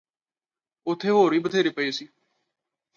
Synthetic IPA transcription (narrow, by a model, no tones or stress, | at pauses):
ʊt̪ʰːeːɦoːɾiːbət̪ʰeːɾeːpəesiː